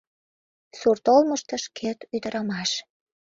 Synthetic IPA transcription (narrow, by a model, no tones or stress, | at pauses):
surt̪olməʃt̪əʃkʰet̪yd̪əɾɑmɑʃ